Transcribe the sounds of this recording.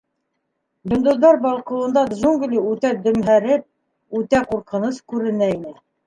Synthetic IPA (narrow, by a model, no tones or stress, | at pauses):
jɵ̆nd̪ŏðːɑɾbɑlˠqŏlˠɤ̆nd̪ɑd̪ʒuŋɡlʲiʉt̪æd̪ɵ̆mɦæɾɘp̚ | ʉt̪æquɾqɤ̆nɤskʉɾɘ̆næinɘ